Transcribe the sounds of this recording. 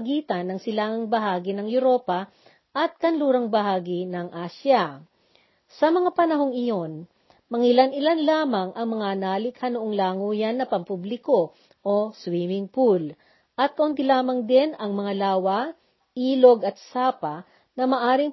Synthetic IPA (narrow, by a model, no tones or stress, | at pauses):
ɡiːt̪ɐnːɐŋsɪlaːŋɐŋbɐɦaːɡɪnɐŋjʊɾo̞ːpɐ | ʔɐt̪̚kɐnluːɾɐŋbɐɦaːɡɪnɐŋʔaːsjɐ | sɐmɐŋapɐnɐɦoŋɪjo̞n | mɐŋɪlanɪlanlaːmɐŋʔɐŋmɐŋanaːlɪkhɐnoʔoŋlaːŋuːjɐnːɐpɐmpublɪko̞ | ʔoswiːmɪŋpul | ʔɐt̪̚kɐʔont̪ɪlaːmɐŋd̪ɛnɐŋmɐŋalaːwɐ | ʔiːlo̞ɡɐt̪̚saːpɐ | nɐmɐʔaːɾɪŋ